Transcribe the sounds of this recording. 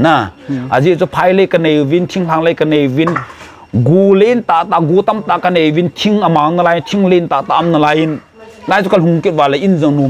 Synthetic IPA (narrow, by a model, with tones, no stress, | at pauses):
na˧ʔa˨zi˧˨t͡su˦˧pʰa˧jle˦˨kə˧ne˨jvi˧˦ntʰi˧˦ŋla˧˨ŋle˧˨jka˧ne˨jvi˦n | ɡu˨le˦nt̪a˨ʔt̪a˧˨ɡu˧t̪a˦mt̪a˧˨ʔka˧ne˨jvi˧˦ntʰi˧ŋə˨ma˨ŋna˧la˧ji˧˦ntʰi˧˦ŋle˦˨nt̪a˨t̪a˧mna˧˨la˧˦ji˧n | la˧jt͡su˦ka˧˨lɦu˨ŋki˦t̚va˨la˧˨ʔi˦nzə˨ŋnu˧˨